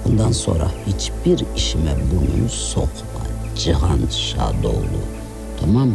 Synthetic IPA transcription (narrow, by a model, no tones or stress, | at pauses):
und̪anso̰ɾɑhit͡ʃʰbiɾiʃimɛbunṵnsoqʰpɑ | d͡ʒɨʁɑnʃa̰d̪owlu | t̪ʰamɑm